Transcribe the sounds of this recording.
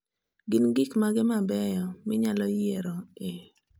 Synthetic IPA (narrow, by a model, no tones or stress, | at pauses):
ɡɪnɡɪkmaɡɪmabɛjɔmɪɲalɔjeɾɔe